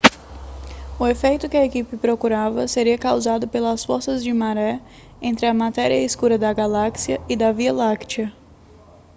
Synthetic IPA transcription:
ʊefejt̪ʊkɪɐekipɪpɾokuɾavɐseɾiɐkawzad̪ʊpelɐsfoɾsɐzd͡ʒɪmaɾɛ | ẽnt̪ɾɪɐmat̪ɛɾiɐiskuɾɐd̪ɐɡalaksiɐɪd̪ɐvialakt͡ʃiɐ

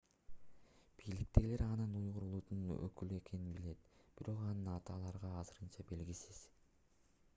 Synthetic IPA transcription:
b̥ijlik̚t̪e̞ɡile̞ɾɑnɯnujʁuɾulˠut̪unø̰kylye̞ke̞ninbile̞t̪b̥iɾo̞qɑnɯnɑt̪ɯɑlˠɑɾʁɑːzɯɾɯnt͡ʃɑbe̞lɡisiz̥

